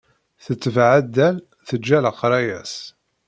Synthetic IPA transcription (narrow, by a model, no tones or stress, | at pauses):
θət͡sːəvʕad̪ːæl | θəd͡ʒːæləqɾˤɑjæs